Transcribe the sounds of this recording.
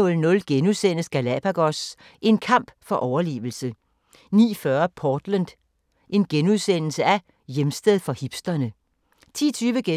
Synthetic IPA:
ɔ̽lnɔ̽lɡ̥enuðˠsen̰əsɡ̥ælɛpʰæɡ̥ɒ̽s | ʔe̝nkʰɑ̈m̰b̥fɒ̽ʔɒʊɐle̝̰ːʋl̩sə | nḭːfɶɐpʰɒːd̥lænd̥ | ʔe̝nɡ̥enuðˠsen̰l̩səʔæ | jemsd̥eð̞ˠfɒ̽hib̥sd̥ɐnə | t͡sʰḭːt͡sʰyːʋəɡ̥e

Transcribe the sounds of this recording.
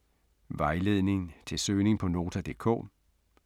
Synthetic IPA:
ʋɑ̈ɪle̝ðˠne̝ŋn̩t͡sʰe̝lsøːne̝ŋ̩pʰɒ̽no̝ːt͡sʰæd̥e̝̰ːkʰɔ̰ː

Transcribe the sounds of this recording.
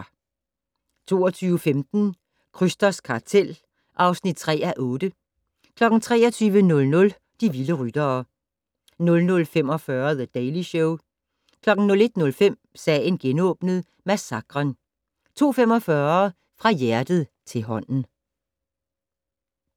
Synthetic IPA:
t͡sʰo̝̰ːɒt͡sʰyːʊəfemd̥n̩ | kʰʁysd̥ɐskʰɑ̈t͡sʰel̰ | ʔɑ̈ʊsnid̥̚t͡sʰʁɛ̰ːæʔɔ̽ːd̥ə | kʰlɒ̽ɡ̥n̩t͡sʰʁɛ̰ːɒt͡sʰyːʋənɔ̽lnɔ̽l | d̥iʋiləʁyd̥ɐː | nɔ̽lnɔ̽lfem̰ɒ̽fɶɐðəd̥ɛɪliɕɔʊ | kʰlɒ̽ɡ̥n̩nɔ̽le̝d̥nɔ̽lfem̰ | sɛːnɡ̥enɔ̽ːb̥nəð̞ˠ | mæsɑ̈ɡ̥ʁɐn | t͡sʰo̝̰ːfemɒ̽fɶɐ | fʁɑ̈jæɐd̥ð̞̩ˠt͡sʰe̝lɦɒ̽n̰n̩

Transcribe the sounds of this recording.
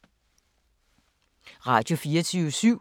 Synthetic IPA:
ʁɑ̈d̥jo̝fiːɐt͡sʰyːʊsyʊ̰

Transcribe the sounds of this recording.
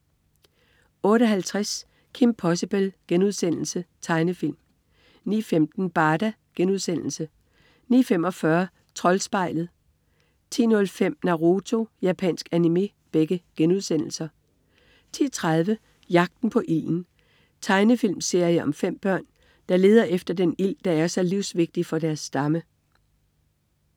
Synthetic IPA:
ɔ̽ːɾəɒ̽ɦælt͡sʰʁas | kʰimpʰɒ̽səb̥elɡ̥enuðˠsen̰l̩sət͡sʰɑ̈ɪnəfil̰m | nḭːfemd̥n̩b̥ɑ̈ːd̥æ | ɡ̥enuðˠsen̰l̩sə | nḭːfemɒ̽fɶɐ | t͡sʰʁɒ̽lsb̥ɑ̈ɪ̰lð̩ˠ | t͡sʰḭːnɔ̽lfem̰nɑ̈ʁo̝t͡sʰo̝jæpʰɛ̰nsɡ̥ænime̝ː | b̥eɡ̥əɡ̥enuð̞ˠsen̰l̩sɐ | t͡sʰḭːɐt͡sʰʁað̞ˠʋə | jɑ̈ɡ̥̚d̥n̩pʰɒ̽ʔil̰n̩ | t͡sʰɑ̈ɪnəfilmse̝ɐ̰jəʔɒ̽mfem̰b̥ɶɐ̰n | d̥ɑ̈le̝ːð̞ˠɐʔefd̥ɐd̥enil̰d̥ɑ̈æɐsɒliʊsʋe̝ɡ̥̚d̥ifɒ̽d̥æɐsːd̥ɑ̈mə

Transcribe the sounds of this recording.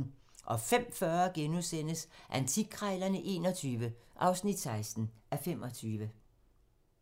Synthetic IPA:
n | ʔɒ̽fem̰fɶɐɡ̥enusen̰əsʔænt͡sʰiɡ̥̚ʰʁɑɪlɐnəʔe̝̰ːnɒt͡sʰyːʋəʔɑ̈ʊsnid̥sɑ̈ɪsd̥n̩ʔæfem̰ʔɒ̽t͡sʰyːʋə

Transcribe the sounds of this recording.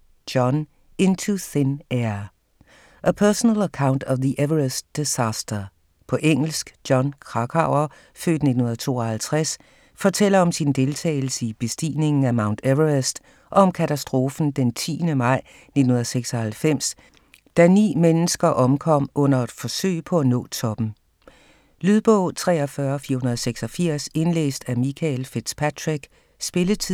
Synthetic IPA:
d̥ɒn | ent͡sʰuθeneɐ | ʔəpʰœɐsənələkʰäʊnd̥ɒʋðiʔeʋɐʁesd̥esæsd̥ɐ | pʰɒ̽ʔeŋ̰l̩sɡ̥djɒ̽nkʰʁɑ̈ɡ̥ʰɑ̈ʊ̰ɐ | fø̰ːd̥ne̝d̥n̩hun̩ɐɐət͡sʰo̝̰ːɒhælt͡sʰʁas | fɒ̽t͡sʰel̰ɐɒ̽msind̥e̝lt͡sʰɛ̰ːɪl̩səib̥e̝sd̥ḭːne̝ŋn̩æmɑ̈ʊnd̥ʰeʋɐʁesd̥ | ʔɒɒɒ̽mkʰæt͡sʰæsd̥ʁo̝ːfn̩d̥ent͡sʰḭːnəmɑ̈ɪ̰ | ned̥n̩hunɐðˠseɡ̥sɒ̽hælfem̰s | d̥ænḭːmenəsɡ̥ɐʔɒ̽mkʰɒ̽m̰ʔɔ̽n̰ɐed̥fɒ̽sø̰ɪ̰pʰɒ̽ænɔ̰̽ːt͡sʰɒ̽b̥n̩ | lyðˠb̥ɔ̰ʊt͡sʰʁɛ̰ːɒfɶɐfiɐhunɐðˠseɡ̥sɒ̽fiɐ̰se̝nlḛːsd̥æmikʰælfed̥spʰædʰʁiɡ̥ | sb̥e̝lət͡sʰi

